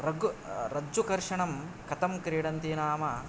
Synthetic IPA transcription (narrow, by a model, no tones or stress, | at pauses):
ɾɐɡɾɐd͡ʒːukɐɾʂɐɳɐm | kɐt̪ɐmkɾiːɽɐnt̪inaːmɐ